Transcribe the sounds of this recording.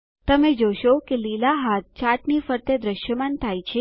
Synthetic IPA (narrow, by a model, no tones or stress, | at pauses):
t̪əmed͡ʒoʃokelilaɦat̪̚t͡ʃaʈnifəɾt̪ed̪ɾəʃjəmant̪ʰajt͡ʃʰe